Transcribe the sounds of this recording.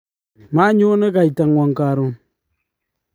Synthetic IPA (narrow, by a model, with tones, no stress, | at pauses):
ma˦ɲu˦nə˦ɡa˨jta˨ŋ˨wa˨ŋka˨ɾu˦n